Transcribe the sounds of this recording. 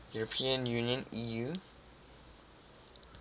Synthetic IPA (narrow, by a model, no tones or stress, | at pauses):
juɹəpʰĩə̃njuːnijə̃niju